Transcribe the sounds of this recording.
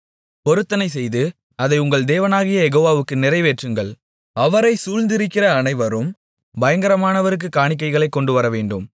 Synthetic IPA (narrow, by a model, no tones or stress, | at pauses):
pɔɾɯt̪ːɐnɐɪs̬ɛjðɯ | ɐðɐɪʊŋɡɐɭd̪eːʋɐnaːɣɪjɐɛɣoːʋaːʋɯkːɯnɪɾɐɪʋeːʈrɯŋɡɐɭ | ɐʋɐɾɐɪsuːlnd̪ɪɾɪkːɪrɐːnɐɪʋɐɾɯm | bɐjɐŋɡɐɾɐmaːnɐʋɐɾɯk̬ːɯkːaːɳɪk̬ːɐɪɣɐɭɐɪkːɔɳɖɯʋɐɾɐʋeːɳɖɯm